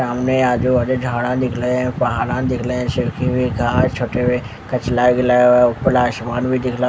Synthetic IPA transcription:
aːmneaːd͡ʒoəd͡ʒd͡ʒʱaːɽãd̪ɪkʰleɦɛ̃pɐɦaːlãd̪ɪkʰleɦɛ̃sekʰibʱiɡʱaːɾt͡ʃʰoːʈeʋe | kɐt͡ʃlaːɡɪlaːjoʊpəlaːʃmaːnbʱid̪ɪkʰla

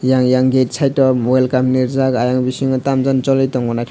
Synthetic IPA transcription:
jaŋjaŋɡetsʰajtɔmɔelkaminiɾzakajaŋbisiŋɔtamzant͡ʃɔlɔjtɔŋɔnajtʰ

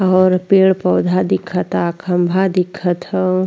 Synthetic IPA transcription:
ɔːɾpeːɭpɔːd̪ʱad̪ɪkʰːət̪akʰəmbʱad̪ɪkʰːət̪

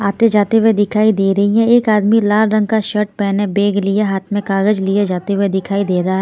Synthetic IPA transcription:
aːt̪ed͡ʒaːt̪eɦwed̪ɪkʰaːid̪eːɾɐɦiɦɛ̃eːkaːd̪milaːlɾə̃ŋɡ̚kaʃəʈ̚pɛːnẽbeːɡlɪeɦaːt̪ʰmẽkaːɡəd͡ʒlied͡ʒaːt̪eɦed̪ɪkʰaːid̪eːɾɐɦaɦɛː

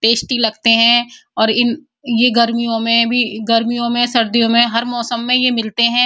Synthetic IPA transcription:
ʈeːsʈilɐɡt̪eɦɛ̃ɔːɾɪn | jeɡɐɾmijõmẽbʱiɡɐɾmijõmẽsɐɾd̪ijõmẽɦɐɾmɔːsəmːẽjemɪlt̪eɦɛ̃ː

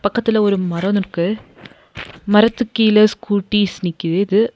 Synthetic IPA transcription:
pɐkːɐt̪ːɪlɐɔɾɯmɐɾɐnɯkːɯ | mɐɾɐt̪ːɯkːijlɐskuːʈːisnɪkʲːɯɪðɯ

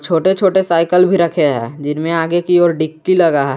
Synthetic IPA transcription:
t͡ʃʰoːʈet͡ʃʰoːʈesaːɪkəlbʱiɾɐkʰeɦɛ̰ːd͡ʒɪnmẽaːɡekiɔːɾɖɪkːilɐɡaɦ

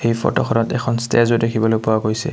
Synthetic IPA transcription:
hejpʰɔ̰tɔxʰɔnɔtɛkʰɔnstezodekʰibɔlojpʊwakojsɛ̰

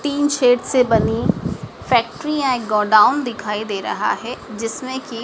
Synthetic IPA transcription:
t̪iːnʃeːʈsebɐni | fɛːk̚ʈɾiãekɡɔːɖaːʊnd̪ɪkʰaːid̪eːɾɐ̰ɦa̰ɦɛd͡ʒɪsmẽki

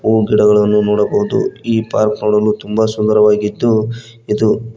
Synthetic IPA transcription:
uːɡiɽɐɡɐɭɐnːunɔːɽɐbɐɦud̪ṵiːpa̰ːɾknoːɽɐlːut̪umbɐsud̪ɐɾɐʋaːɡid̪ːu | id̪u

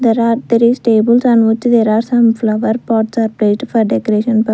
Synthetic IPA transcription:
d̪eːɾaːɾd̪eɾizʈeːbəlsãnʊt͡ʃd̪eːɾaːɾsɐ̃mflɐʋəɾpɔːɾʈsaːɾpɾeːʈfɔɾɖɛkoɾeːʃə̃npə

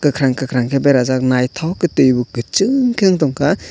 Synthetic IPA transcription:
kɯkʰɾaŋkɯkʰɾaŋkʰebeɾazak̚najtʰawkɯtɯjbuɡɯt͡ʃɯŋkʰeŋtɔŋkʰa

